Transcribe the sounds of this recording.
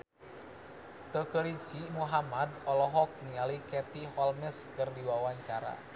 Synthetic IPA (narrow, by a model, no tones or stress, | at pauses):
t̪əkəɾiskimuɦamadɔlɔɦɔk̚nialikɛt̪ihɔlməskɨrdiwawaɲt͡ʃaɾa̰